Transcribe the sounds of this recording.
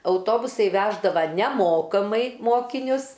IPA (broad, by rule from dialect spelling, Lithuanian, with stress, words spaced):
ɐʊˈtoːbʊsɐɪ ˈʋʲæːʒdɐʋɐ nʲɛˈmoːkɐmɐɪ ˈmoːkʲɪnʲʊs